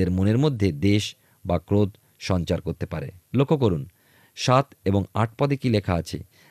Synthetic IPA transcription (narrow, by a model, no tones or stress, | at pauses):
eɾmoneɾmod̪ʱːed̪eʃ | bakɾot̪ | ʃɔnt͡ɕaɾkoɾt̪epaɾḛlokʰːok̬oɾun | ʃat̪eboŋa̰ʈ̚pɔd̪ekilekʰaat͡ɕʰḛ